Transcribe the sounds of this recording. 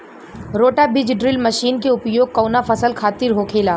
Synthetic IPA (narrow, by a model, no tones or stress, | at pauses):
ɾoːʈabɪd͡ʒɖɾɪlmɐʃiːnkeʊpjoːɡ̚kːɐːnafəsəlkʰaːt̪iɾɦoːkʰeːlaː